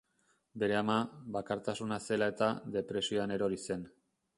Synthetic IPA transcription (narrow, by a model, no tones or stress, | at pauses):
be̞ɾe̞amaβakaɾt̪asunase̞lae̞t̪aðe̞pɾe̞sio̞ane̞ɾo̞ɾise̞n